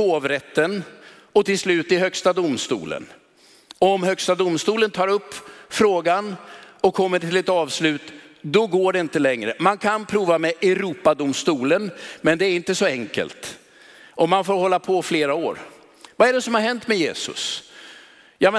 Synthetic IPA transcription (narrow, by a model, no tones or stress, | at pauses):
oːvɾɛt̪ːən | ɔt̪ɪlslʉ̟ːt̪ɪɦœkst̪ad̪ʊmst̪ṵːlə̰n | ɔɔmɦœkst̪ad̪ʊmst̪uːlənt̪ʰɑːɾɵpːfɾoːɡanɔkʰːɔmːəʈʰɪlɛt̪ɑːvslʉ̟ːt̪d̪ɔɡoːɖɛɪnt̪əlɛŋɾəmankʰanpʰɾuːvamɛʔɛɾuːpad̪ʊmst̪uːlənmɛnd̪ɛːɾɪnt̪əsɔɛŋkə̰lt̪ | ʔɔmanfoːɾhɔlːapʰɔfleːɾaoːɾ | vaɛɖɛsɔmhaɾɦɛnt̪mɛjḛːsɵ̰s | jɑmɛ